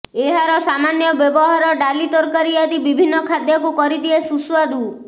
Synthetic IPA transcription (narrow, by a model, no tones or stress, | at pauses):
eɦaɾɔsamanjɔbjɔbɔɦaɾɔɖalit̪ɔɾkaɾiad̪ibibʱinːɔkʰad̪jakukɔɾid̪iesuswad̪u